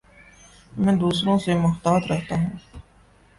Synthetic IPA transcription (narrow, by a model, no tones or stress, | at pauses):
mɛ̃ːd̪uːsɾõsemʊxt̪aːt̪ɾɐɦt̪aɦũː